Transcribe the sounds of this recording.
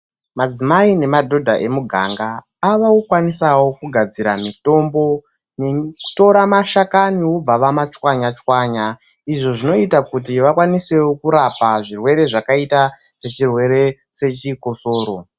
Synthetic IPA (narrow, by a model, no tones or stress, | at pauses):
mad͡zimaine̞madʱo̞dʱa̰ʔe̞muɡʱa̰ŋɡaː | ʋaukwanisawo̞kuɡʱad͡ziɾamito̞mbo̞ | neku̥to̞ɾamaʃakaniwob͡vaʋamat͡ʃwaɲat͡ʃwaɲa | iʐo̞ʐino̞itakutiʋakwanise̞wokuɾapaʐirwe̞ɾe̞ʐakaita | se̞t͡ʃirwe̞ɾe̞ | se̞t͡ʃiko̞so̞ːɾo̞